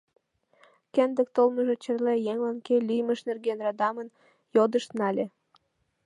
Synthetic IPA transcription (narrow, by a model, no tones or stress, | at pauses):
kend̪ə̆k̚t̪olməʒet͡ɕə̆rlejeŋlɑnkelʲijməʃnerɡenrɑd̪ɑmən | jod̪əʃt̪nɑlʲe